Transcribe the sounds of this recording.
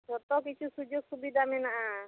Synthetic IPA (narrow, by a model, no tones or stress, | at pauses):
ɔt̪ɔkit͡ʃʰusud͡ʒoɡsubid̪ʱamɛnaʔa